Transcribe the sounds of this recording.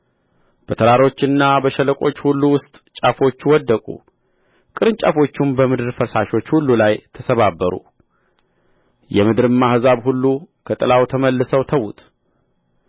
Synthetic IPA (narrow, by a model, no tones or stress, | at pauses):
b̥ət̪ʰəɾaɾo̞t͡ʃːɨnːabəʃɛləkʼo̞̰t͡ʃːhulːuwʊst̪ʼt͡ʃʼafo̞t͡ʃːwɔd̪ːəkʼṵ | kʼɨɾɨnt͡ʃʼa̰fo̞t͡ʃːumbəmɨd̪ɨɾfəsaʃo̞t͡ʃːhulːulajt̪ʰəsəβabːəɾṵ | jɛmɨd̪ɨɾɨmːahɨzaβhulːukʰət̪ʼɨlawt̪ʰəməlːɨsəwt̪ʰəwut̪ʰ